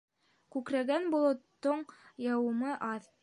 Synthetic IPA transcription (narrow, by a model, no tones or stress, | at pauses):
kʉkɾæɡænbŏlˠŏt̪ːoɴjɑwɤ̆mɤʔɑð